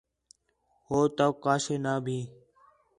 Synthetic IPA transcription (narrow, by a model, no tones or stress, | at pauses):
hoːt̪əkaːseːnaːbʱiː